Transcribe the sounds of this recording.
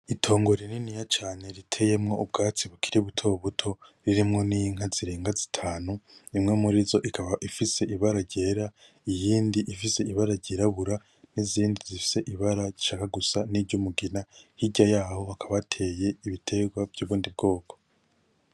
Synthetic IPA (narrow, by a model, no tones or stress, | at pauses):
itʰo̞ːŋɡo̞ɾininijat͡ʃaːne̞ɾitʰe̞je̞mŋo̞ub̚ɡaːt͡siβukʰi̥ɾiβutʰo̞βutʰo̞ɾiɾimŋo̞niŋ̥ɦaziɾeːŋɡazitʰaːnuimŋemuɾizo̞ʔikʰaβaʔifise̞ʔiβaɾaɾɟeːɾa | ijiːndiʔifise̞iβaɾaɾɟiɾaβuɾa | niziːndizifi̥se̞ʔiβaɾaɟiʃaːkaɡusaniːɾɟumuɡinahiɟajaːho̞akʰaβatʰe̞ːje̞iβitʰe̞ɡwavjuːβuːndib̚ɡo̞ːkʰo̥